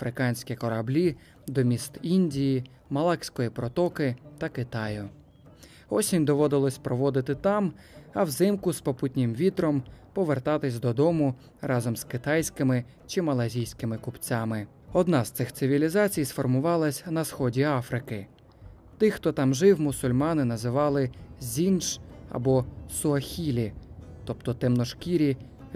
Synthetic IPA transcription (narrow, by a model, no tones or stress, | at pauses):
ɐfɾɪkɑnʲsʲkʲɛkɔɾɐblʲi | d̪ɔmʲist̪inʲdʲiji | mɐlˠɑksʲkɔjipɾɔt̪ɔkɪt̪ɐkɪt̪ɑjʊ | ɔsʲimʲd̪ɔʋɔd̪ɪlˠɔsʲpɾɔʋɔd̪ɪt̪ɪt̪ɑm | ɐwzɪmkʊspɔput̪̚ʲnʲɪmʋʲit̪ɾɔmpɔʋert̪ɑt̪ɪsʲd̪ɔd̪ɔmʊ | rɑzɔmz̥kɪt̪ɑjsʲkɪmɪ | t͡ʃɪmɐlˠɐzʲijsʲkɪmɪkʊpt͡sʲamɪ | ɔd̪nɑz̥t̪sɪxt̪sɪʋʲilʲizɑt͡sʲijsfɔrmʊʋɑlˠɐsʲn̪ɐsxɔdʲiɑfɾɪkɪ | t̪ɪxt̪ɔt̪ɑmʒɪwmʊsʊlʲmɑnɪnɐzɪʋɑlˠɪzʲint͡ʃɐ̰bɔsʊɐxʲilʲit̪ɔp̚t̪ɔt̪ɛmnɔʃkʲiɾʲi